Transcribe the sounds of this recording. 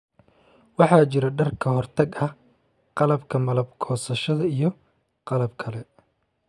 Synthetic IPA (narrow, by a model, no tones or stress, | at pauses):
wɑħɑːt͡ʃɪɾɐɖɐrkʰɐɦɔrt̪ʰɐɡɐ | qɑlɐbkʰɐmɐlɐbkʰɔːsɐʃɐðɐijɔ | qɑlɐbkʰɐlɛ